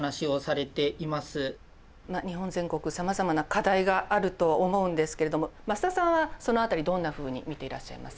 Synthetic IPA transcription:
naɕio̞saɾe̞t̪e̞ʔimasɨ | maɲ̟iɦõ̞nzẽ̞ŋko̞kɯ̟samazamanakad̪aiɡaʔːɾɯ̟t̪o̞omo̞ɯ̟̃nd̪e̞sɨ̥ke̞ɾe̞d̪o̞momasɨ̥t̪asãɰ̃βaso̞no̞at̪aɾʲid̪õ̞nːaɸɯ̟ːɲ̟ḭmʲit̪e̞iɾa̰ɕːa̰ḭma̰sɨ̥

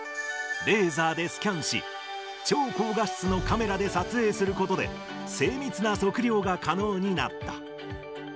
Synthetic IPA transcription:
ɾe̞ːzaːd̪e̞sɨ̥kʲãɰ̃ɕḭ | t͡ɕo̞ːko̞ːɡaɕt͡sɨno̞kame̞ɾad̪e̞sat͡sɨe̞ːsɨɾɯ̟ko̞t̪o̞d̪e̞̰ | se̞ːmʲit͡sɨnaso̞kɯ̟ɾʲjo̞ːɡakʰano̞ːɲ̟ina̰t̪ːa

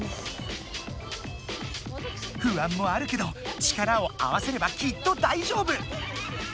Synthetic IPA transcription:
ɸɯ̟ãmːo̞aɾɯ̟ke̞d̪o̞t͡ɕi̥kaɾao̞a̰βase̞ɾe̞bakʲit̪ːo̞d̪aiʑo̞ːbɯ̟

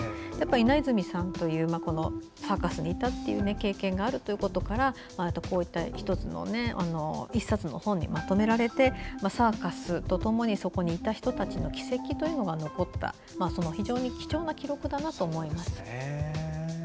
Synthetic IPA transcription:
japːaɾinaizɨmʲisãnt̪o̞jɯ̟ːmako̞no̞ | saːkasɨɲ̟iːt̪at̪ːe̞jɯ̟ːne̞ke̞ːkẽ̞ŋɡaːɾɯ̟t̪o̞jiɯ̟ko̞t̪o̞kaɾa | majat̪ːoko̞ːit̪ːaçi̥t̪o̞t͡sɨno̰ne̞a̰no̞isat͡sɨno̞̰hõ̞ɲ̟ːḭmat̪o̞me̞ɾaɾe̞t̪e̞masaːkasɨt̪o̞t̪o̞mo̞ɲ̟iso̞ko̞ɲ̟iːt̪açi̥t̪o̞t̪at͡ɕino̞kʲi̥se̞kʲit̪o̞jɯ̟no̞ɡano̞ko̞t̪ːa̰ | maːsono̞çiʑo̞ːɲ̟ikʲi̥t͡ɕo̞ːnakʲiɾo̞kɯ̟d̪anat̪o̞ːmo̞imasɨ̥

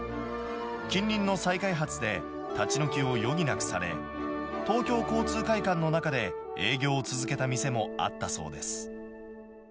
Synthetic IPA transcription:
kʲĩɲːʲĩnːo̞saikaiɦat͡sɨd̪e̞ | t̪at͡ɕino̞kʲio̞jo̞ɡ̟ʲinakɯ̟̥saɾe̞̰ | t̪o̞ːkʲo̞ːko̞ːt͡sɨːkaikãnːo̞nakad̪e̞e̞ːɡʲo̞ːt͡sɨzɨke̞t̪amʲise̞mo̞a̰t̪ːaso̞̰ːd̪e̞sɨ̥

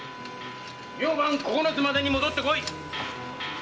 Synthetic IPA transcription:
mʲoːbãŋkokonozɨmad̪eɲ̟imo̞d̪o̞t̪ːekoi

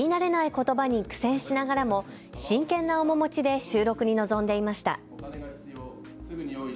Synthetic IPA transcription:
inaɾe̞naiko̞t̪o̞baɲ̟ikɯ̟̥sẽ̞ɰ̃ɕinaɡaɾamo̞ | ɕĩŋkẽ̞nːao̞mo̞mo̞t͡ɕid̪e̞ɕɨːɾo̞kɯ̟ɲ̟ino̞zõ̞nd̪e̞imaɕi̥t̪a̰

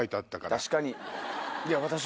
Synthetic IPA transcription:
it̪at̪ːakat̪aɕi̥kaɲ̟i | jaβat̪aɕ

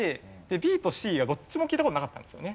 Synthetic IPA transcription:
e̞ | d̪̥e̞bʲiːt̪o̞ɕiːɡad̪o̞t͡ɕːimokʲiːt̪akot̪onakat̪ːãnd̪esɨijo̞ne

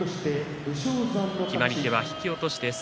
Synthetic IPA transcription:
oɕi̥t̪e̞ | ɯ̟ɕoːzãnːokʲimaɾʲit̪e̞βaçi̥kʲio̞t̪o̞ɕi̥t̪e̞s

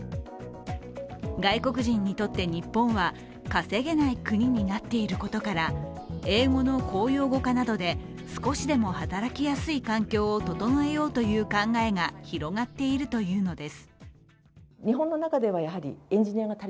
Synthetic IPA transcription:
ɡaiko̞kɯ̟ʑĩɲ̟ːit̪o̞t̪ːe̞ɲ̟ipːõ̞ɰ̃βa | kase̞ɡe̞naikɯ̟ɲ̟iɲ̟inat̪ːe̞iɾɯ̟ko̞t̪o̞kaɾa | e̞ːŋo̞no̞ko̞ːjo̞ːɡo̞kanad̪o̞d̪e̞ | sɨ̥ko̞ɕid̪e̞mo̞hat̪aɾakʲijasɨikãŋkʲo̞ːot̪o̞t̪o̞no̞e̞jo̞ːt̪o̞jɯ̟ːkãŋɡae̞ŋaçiɾo̞ɡat̪ːe̞iɾɯ̟t̪o̞jɯ̟ːno̞d̪e̞sɨ̥ | ɲ̟iɦõ̞nːo̞nakad̪e̞βajaɦaɾʲḭẽɲ̟d͡ʑiɲ̟ijaɡat̪aɾ

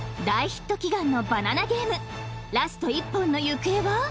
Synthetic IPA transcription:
d̪aiçi̥t̪ːo̞kʲiɡãnːo̞bananaɡʲe̞ːmɯɾasɨ̥t̪o̞ipːõ̞nːo̞jɯkɯ̟eβa

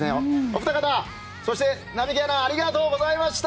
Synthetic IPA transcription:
ẽoopɯ̥t̪akat̪a | so̞ɕi̥t̪e̞ | namʲikenaːɾʲiɡat̪o̞ːɡo̞zaimaɕi̥t̪

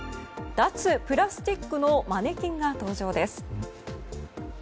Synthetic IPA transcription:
d̪̥at͡sɨpɯ̟ɾasɨ̥t̪ʲikːɯ̟nomane̞kʲĩŋɡat̪o̞ːʑo̞ːd̪e̞sɨ̥

